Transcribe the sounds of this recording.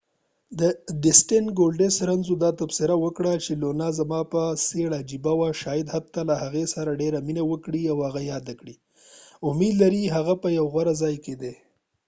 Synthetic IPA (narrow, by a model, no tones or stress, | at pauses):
d̪əd̪ɪsʈenɡolɖesɾanzod̪ɑt̪afsɪɾawəkɽat͡ʃelonazamɑpəseɽad͡ʒibawaʃɑjɪd̪hat̪ːalahaɣesaɾaɖeɾaminawəkɽiawhaɣajɑd̪akɽi | ʊmed̪laɾiɦaɣapəjawɣwaɾazɑjked̪e